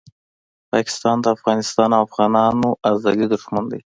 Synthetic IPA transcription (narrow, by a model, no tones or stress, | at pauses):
pɑkɪ̥st̪ɑnd̪əafɣɑnɪst̪ɑnawafɣɑnɑnoʔazɑlid̪ʊʒmand̪a̰j